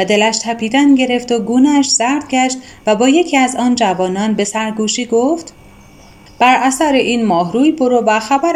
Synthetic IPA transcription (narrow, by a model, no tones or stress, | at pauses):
væd̪e̞læʃt̪ʰæpʰiːd̪ænɟe̞ɾe̞ft̪oɡuːneʃz̥æɾd̪̥̚ɟæʃt̪ | væbɒːje̞cʰiːæzɒːnd͡ʒævɒːnɒːnbe̞sæɾɡuːʃiːɡoft̪ | b̥æɾæsæɾeʔiːnmɒːɦɾuːjboɾovæxæbæɾ